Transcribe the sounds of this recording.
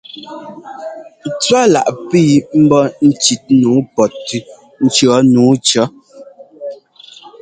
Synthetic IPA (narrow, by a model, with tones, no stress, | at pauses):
t͡swa˦la̰˨ʔpi˦m̩˦bɔ˦n̩˦t͡ʃi˨t̚nuː˨˦pɔ˨tːʉ˦ | n̩˦t͡ʃɰɔ˨˦nuː˨˦t͡ʃɔ˨˦